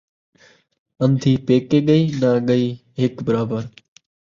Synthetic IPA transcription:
ənd̪ʰʱiːpeːkeːɠəiːnãːɠəiː | ɦɪkbəɾaːbəɾ

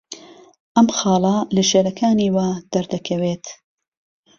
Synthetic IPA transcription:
ʔɐmxɑːlɐlɐʃeːɾɐkʰaːniːwad̪̥ɐɾd̪ɐkʰɐweːt̪

